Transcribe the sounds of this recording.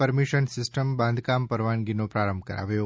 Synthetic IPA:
pəɾmiʃənsɪsʈəmbãnd̪ʱkampəɾʋanɡinopɾaɾəmbʱkəɾa̰ʋjo

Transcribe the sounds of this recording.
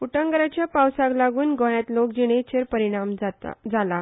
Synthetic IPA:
uʈəŋɡəɾat͡ɕjapawsaklaɡuːnɡʱõɽjat̪lokd͡ʑiɽ̃et͡ɕeɾpəɾiɽ̃am̰d͡zala

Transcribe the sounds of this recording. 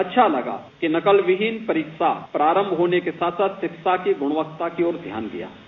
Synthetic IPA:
ɐtːʃʰalɐɡa̰ | kinɐkəlʋɪɦɪnpɐɾiːkʃa̰pɾaːɾə̃mbʱɦoːnekesaːt̪ʰsat̪ʃɪkʃakiɡʊɽ̃ʋəkt̪akiɔːɾd̪ʱja̰ːnɡḭja̰ː

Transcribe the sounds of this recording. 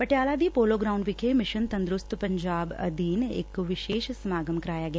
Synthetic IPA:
pɐʈjaːlad̪iːpoːloːɡɾaːʊ̃ɳɖʋɪkʰemɪʃənt̪ɐ̃nd̪ɾʊst̪pɐ̃ɲd͡ʒaːbɐ̰d̪iːnɪ̰kʋɪʃeːʃsɐmaːɡəmkɐɾaːjaɡɐja

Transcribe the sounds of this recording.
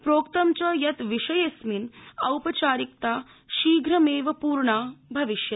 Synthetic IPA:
pɾoːkt̪ɐmt͡ʃɐjɐt̪ʋiʂɐjesminɐwpɐt͡ʃaːɾik̚t̪aː | ʃiːɡʱɾɐmeːʋɐpuːɾɳaːbʱɐʋiʃjɐ

